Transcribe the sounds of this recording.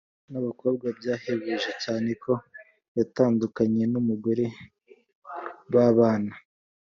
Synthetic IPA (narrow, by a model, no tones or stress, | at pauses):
naβako̞ːb̚ɡwab̚ɟaːheβeʒecaːne̞kʰo̞ | jataːndukaɲe̞numuɡoɾe̞ | βaβaːna